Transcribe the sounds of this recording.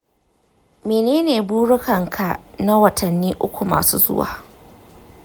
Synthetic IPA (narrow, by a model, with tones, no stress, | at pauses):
meː˨neː˦neː˨buː˦ɽʊ˦kɐ˨ŋkʰa˨na˦wɐ˨tʰɐ˨nːiː˦ʔʊ˦kʷu˨ma̰ː˨sṵː˦zʊ̰˦wa̰ː˨